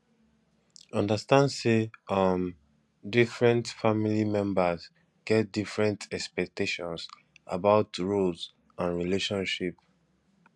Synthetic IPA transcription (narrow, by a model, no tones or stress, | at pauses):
ɔ̃ndəstãndseʌm | difɹɛ̃ntfamilimɛ̃mbəz | ɡ̥ɛt̚difɹɛ̃ntʰɛkspɛk̚tʰeʃɔ̃ns | a̰baʊtɹods | ãnɹileʃɔ̃nʃip